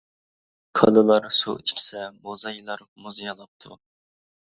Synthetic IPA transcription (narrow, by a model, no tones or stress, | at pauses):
kʰɑlɨlˠɑɾsṵt͡ʃʰi̥kʲʰi̥sɛmozɑjilˠɑɾ | muzjɑlˠɑp̚t̪ʰu